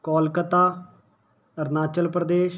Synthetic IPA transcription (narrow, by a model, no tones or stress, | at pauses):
kɔːlkət̪aː | əɾnaːt͡ʃəlpɾəd̪eːʃ